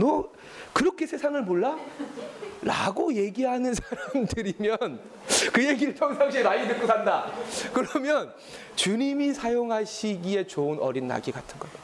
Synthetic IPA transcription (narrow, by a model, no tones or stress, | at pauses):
mʌ | kɯɾʌkʰe̞sʰe̞sʰaŋɯɭmoɭːa | ɾa̰ɡoje̞ɡiɦanɯnsʰaɾamdɯɾimjʌn | kɯje̞ɡiɾɯɭpʰjʌŋsʰaŋɕʰiɾaidweɡosʰandakɯɾʌmjʌn | t͡ɕuɲimisʰajoŋɦaɕʰiɡie̞t͡ɕoɯnʌ̰ɾinːa̰ɡiɡatʰɯnɡʌe̥